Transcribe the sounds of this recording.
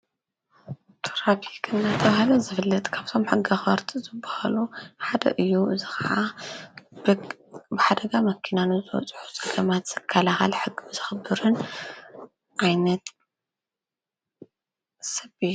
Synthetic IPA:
t̪ʰoɾapʰikʰʼɨnːat̪ʰɐβahɨlɐzɨfɨlːɐt̪ʼkʰaβt̪ʰo̞mħɨɡːaxɐɾt̪ʰizɨbːahaluħad̪ɐ̰ʔɨjːuɨzɨxɐ̰ʕa | bɨħad̪ɐɡamɐkʰːinanɨzɨwɔ̰t͡sʼħu̥t͡sʼɐɡɐmat̪z̥ɐkʰːalaxa̰lħɨɡːɨzɨxɨbːɨɾɨn | ʕajnɐt̪ | sɐbi

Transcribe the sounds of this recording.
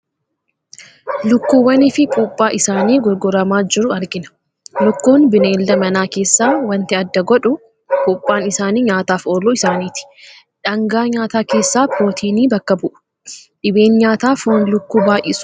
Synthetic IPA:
lʊkːuːwɐnɪfɪpʼuːpʼːaːʔɪsaːniːɡɔɾɡʊɾɐmaːd͡ʒɪɾʊɐɾɡɪnɐ̥ | lʊkːuːnbɪneːld̪ɐmɐnaːke̞ːsːaːwɐnt̪ɪɐd̪ːɐɡɔᶑʊ | kʼuːpʼːaːnɪsaːniːɲaːt̪aːfoːlːuːɪsaːniːt̪ɪ̥ | ᶑɐŋɡaːɲaːt̪aːke̞ːsːaːpoːt̪ʰiːniːbɐkːɐbʊʔʊ̥ | ᶑɪbe̞ːnɲaːt̪aːfonlʊkːuːbaːʔɪsʊ̥

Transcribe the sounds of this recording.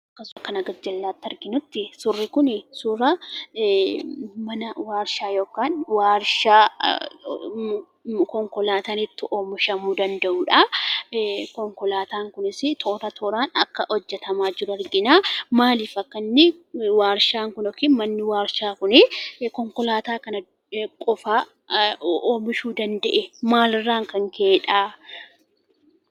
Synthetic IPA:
ɐkːɐsɐkːɐnɐɡɐd͡ʒɐlːaːt̪ːɐɾɡɪnʊt̪ːɪsʊrːɪkʊnɪsʊɾɐ | mɐnɐwaːɾʃaːjo̞ːkaːnwaːɾʃaː | kɔŋkɔlaːt̪aːnɪt̪ːɪʔoːmʊʃɐmuːd̪ɐnd̪ɐʔuːᶑɐ | kɔŋkɔlaːt̪aːŋkʊnɪsɪt̪ʰoːɾɐt̪ʰoːɾaːnɐ̰kːɐʔɔd͡ʒːɛt̪ɐmaːd͡ʒɪɾʊɐɾɡɪnaːmaːlɪfɐkːɐnːɪwaːɾʃaːŋkʊnɔkɪmɐnːɪwaːɾʃaːkʊnɪkɔŋkɔlaːt̪aːkɐnɐ | kʼɔfaː | oːmɪʃuːd̪ɐnd̪ɐʔɛmaːlɪrːaːŋkɐŋkʰeːᶑaː

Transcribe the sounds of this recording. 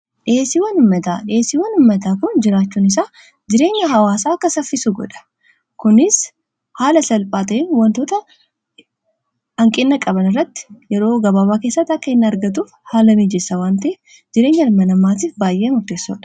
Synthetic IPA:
ᶑsɪwɐnʊmːɐt̪a̰ːᶑɪeːsiwɐnʊmːɐt̪aːkʊnd͡ʒɪɾaːt͡ʃːuːnɪs̬aː | d͡ʒɪɾe̞ːɲːɐɦɐwaːsaːkːɐsɐfːɪsuɡɔ̰ᶑɐ̥ | kʊnɪs | haːlɐsɐlpʼaːt̪ɐʔenwɐnt̪oːt̪ɐ | hɐŋkʼɪnːɐkʼɐbɐnɪrːɐt̪ːɪ̥jɛɾo̞ːɡɐbaːβaːke̞ːsːɐt̪ːɐkːɐɪnːɐɐɾɡɐt̪̬uːfhaːlɐmiːd͡ʒɛsːɐwaːnt̪ɐe | d͡ʒɪɾe̞ːɲːɐlmɐnɐmːaːt̪̬iːfbaːjʔeːɐmʊɾt̪e̞ːsːɔ̰ᶑɐ̥

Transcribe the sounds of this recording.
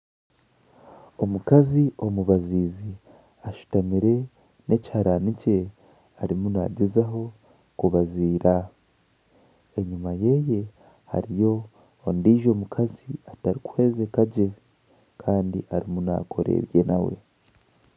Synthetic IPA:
o̞mukaziʔo̞muβaziːzi | aʃu̥tamiɾe̞ | ne̞cihaɾanice̞ | aɾimuna̰ɟezaɦo̞ | kuβaziːɾa | eɲumaje̞je̞ | ha̰ɾijo̞ː | ndiːʒo̞mukʰaziataɾikwe̞ːzekaɟe̞ | kʰaːndḭʔaɾimuna̰kʰo̞ɾe̞̰ɾje̞nawe̞̰

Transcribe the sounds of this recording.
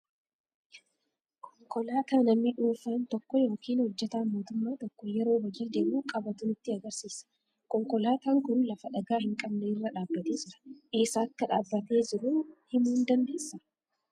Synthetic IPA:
kʰɔŋkɔlaːt̪aːnɐmːɪᶑuːfant̪ɔkːɔjo̞ːkʰiːnhɔd͡ʒːɛt̪aːmoːt̪ʊmːaːt̪ɔkːɔjɛɾo̞ːwɐd͡ʒiːd̪eːmuːkʼɐbɐt̪ʊnɪt̪ːɪɐɡɐɾsiːsɐ̥ | kɔŋkɔlaːt̪aːŋkʊnlɐfɐᶑɐɡaːhɪŋkʼɐbneːɪrːɐᶑaːbːɐt̪eːd͡ʒɪɾɐ̥ʔeːsaːɐkːɐᶑaːbːɐt̪e̞ːd͡ʒɪɾuhɪmuːnd̪ɐnd̪e̞ːsːɐ

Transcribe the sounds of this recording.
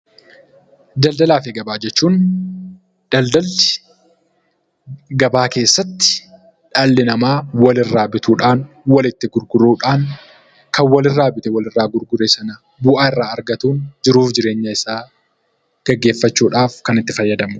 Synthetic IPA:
d̪ɐld̪ɐlaːfɪɡɐbaːd͡ʒɛt͡ʃːuːn | d̪̥ɐld̪ɐlɪ̥ | ɡɐbaːke̞ːsːɐt̪ːɪ̥ | ᶑɐlːɪnɐmaːwɐlɪrːaːbɪt̪uːᶑaːn | wɐlɪt̪ːɪɡʊɾɡʊɾuːᶑaːŋ | kɐnwɐlɪrːaːbɪt̪ɛwɐlɪrːaːɡʊɾɡʊɾesɐnɐ | bʊʔaːɪrːaːɐɾɡɐt̪uːnd͡ʒɪɾuːfd͡ʒɪɾe̞ːɲːɐɪsaː | ɡ̥ɐɡːe̞ːfːɐt͡ʃːuːᶑaːfkɐnɪt̪ːɪfɐjːɐd̪ɐmʊ

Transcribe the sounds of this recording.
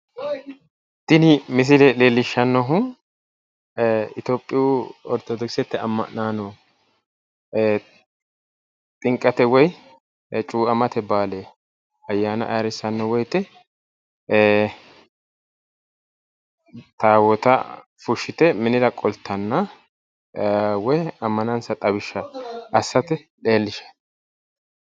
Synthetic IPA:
t̪ːɪnɪmɪs̬ɪlɛleːlːɪʃːɐnːɔɦʊ | ɪt̪oːpʼːɪjuɔɾt̪ɔd̪ɔksɛt̪ːɛɐmːɐ̰ʔnaːnɔ | t̪ʼɪŋkʼːɐt̪ɛwɔj | t͡ʃʼuːʔɐmɐt̪ɛbaːleː | ɐjːaːnɐ̰ʔɐɾɪsːɐnːɐwɔjt̪ɛ | t̪aːwɔt̪ɐ̰ | fʊʃːɪt̪ɛmɪnɪd̪ɐkʼɔlt̪ʰːɐnːɐ | wɔjɐmːɐnɐnsɐt̪ʼɐbɪʃːɐʔɐsːɐt̪ɛ | ᶑe̞ːlːɪʃɛ̥

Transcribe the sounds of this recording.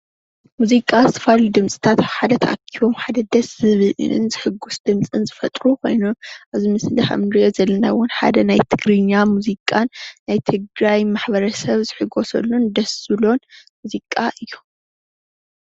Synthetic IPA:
muzikʼazɨt̪ʰɐ̥fallud̪ɨmt͡sʼi̥t̪ʰat̪aβħad̪ɐt̪ʰɐʔakʰːiβo̞mħad̪ɐd̪ɐszɨβɨlʔɨ̰nzɨħɨɡːusd̪ɨmt͡sʼɨnzɨfɐt̪ʼɾukʰo̞̰jno̞mʔaβzɨmɨslɨħa̰mnɾio̞zɐlːɐnawʊnħa̰d̪ɐnajt̪ʰɨɡɾɨɲːamuzikʼanːajt̪ʰɨɡɾajmaħbɐɾɐsɐβzɨħɨɡo̞sɐ̰lːund̪ɐszɨlo̞nmuzikʼaʔɨjːu

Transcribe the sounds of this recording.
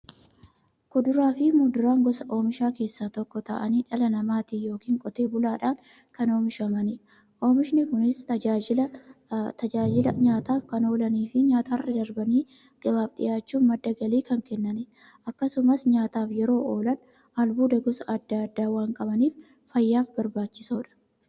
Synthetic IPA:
kʊd̪ʊɾaːfɪmʊd̪ʊɾaːŋɡɔsɐʔo̞ːmɪʃaːke̞ːsːaːt̪ɔkːɔt̪ɐ̰ʔɐniːᶑɐlɐnɐmaːt̪ijo̞ːkiːŋkʼɔt̪eːbʊlaːᶑaːŋ | kɐno̞ːmɪʃɐmɐnɪ | ʔo̞ːmɪʃnɪkʊnɪst̪ɐd͡ʒaːɪɐt̪ɐd͡ʒaːd͡ʒɪlɐɲaːt̪aːfkɐno̞ːlɐniːfɪɲaːt̪ɐhɐrːɪd̪ɐɾbɐniː | ɡ̥ɐbaːbɗɪ̰jaːt͡ʃːuːmɐd̪ːɐɡɐliːkɐŋkɛnːɐnɪ | ʔɐkːɐsʊmɐsɲaːt̪aːfjɛɾo̞ːʔoːlɐn | ɐlbuːd̪ɐɡɔsɐɐd̪ːaɐd̪ːaːwaːŋkʼɐbɐniːf | fɐjːaːfbɐɾbaːt͡ʃːɪsoːᶑɐ̥

